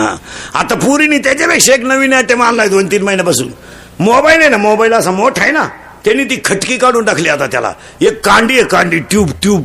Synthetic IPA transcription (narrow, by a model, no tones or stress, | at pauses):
ɦã̰a̰t̪apuɾiniːt̪at͡ɕebekʂeknəʋiːnaʈemanlaid̪ont̪iːnməɦinebəsṵːn | mobainajnamobailaːsãmoʈʰajna̰ | t̪eniːt̪̬iːkʰəʈkiːkaɽuːnɖakʰliːat̪at̪ja̰la̰ | ekːãɳɖiekːaɳɖiːʈjuːbʈjuːb